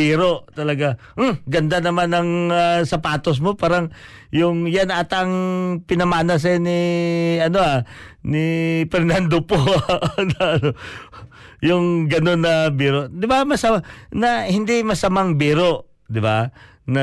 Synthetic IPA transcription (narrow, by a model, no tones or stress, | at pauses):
iːɾoʔt̪ɐlɐɡa | ɡɐnd̪anɐmanɐŋasɐpaːt̪os̬mopaːɾaŋ | jʊŋjanaːt̪aŋpɪnɐmaːnɐs̬janɪɐnoanɪpɛɾnand̪oponɐɐno | jʊŋɡɐno̞nːɐbiːɾoʔd̪ɪbamɐsɐnɐhɪnd̪ɪmɐsɐmaŋbiːɾoʔ | d̪ɪba | nɐ